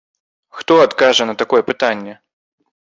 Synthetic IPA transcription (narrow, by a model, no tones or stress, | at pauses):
xt̪ɔat̪kaʐɐnɐt̪akɔjɛpɨt̪anʲːɛ